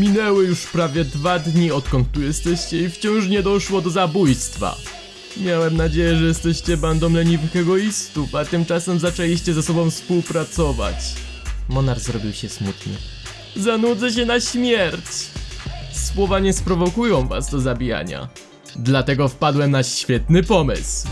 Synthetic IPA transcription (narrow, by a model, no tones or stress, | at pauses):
mʲinɛwɘjuʂpɾavʲjɛd̪vad̪ɲiɔt̪kɔ̃nt̪ːujɛst̪ɛɕt͡ɕɛift͡ɕɔ̃w̃ʂɲɛd̪ɔʂwɔd̪ɔzabujst̪fa̰ | mʲjawɛmnad͡ʑejɛʐɛjɛst̪ɛɕt͡ɕɛband̪ɔmlɛɲivnikɛɡɔist̪ufat̪ɘmt͡ʂasɛmzat͡ʂɛlʲiɕt͡ɕɛzasɔbɔ̃w̃fspuwpɾat̪sɔva̰t͡ɕ | mɔnaɾzɾɔbʲiwɕɛsmut̪nɘ̰ | zanud̪zɛɕ̬ɛnaɕmʲjɛɾt͡ɕ | swɔvaɲɛspɾɔvɔkujɔ̃w̃va̰zd̪ɔzabʲija̰ɲa̰ | d̪lat̪ɛɡɔfpad̪wɛmnaɕfʲjɛt̪nɘpɔmɘ̰sw